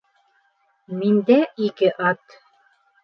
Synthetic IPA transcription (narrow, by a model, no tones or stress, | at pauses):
mind̪æikɘʔɑt̪